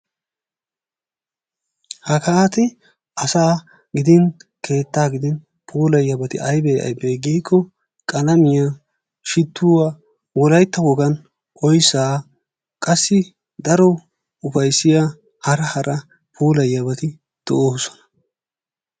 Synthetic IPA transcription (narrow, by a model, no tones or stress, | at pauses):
hɐkɐat̪ɪ | ɐsaː | ɡɪd̪ɪnkʰe̞ːt̪ːaːɡɪd̪ɪn | pʰuːlɐjɐbɐt̪ɪ̰ʔɐjbeːʔɐ̰jbeːɡiːkʰːɔ | kʼɐlɐmɪja | ʃɪt̪ːuːwa | wɔlɐjt̪ːɐwɔɡɐn | ʔʼɔjsaː | kʼɐsːɪ | d̪ɐɾɔ | ʊfɐjsːɪja | hɐɾɐhɐɾɐ | pʰuːlɐjːɐbɐt̪ɪ | d̪̥ɔʔoːsɔ̥nɐ̥